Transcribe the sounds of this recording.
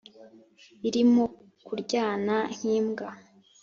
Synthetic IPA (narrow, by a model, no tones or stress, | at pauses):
iɾimo | kuɾɟaːnaŋ̥iːmɡa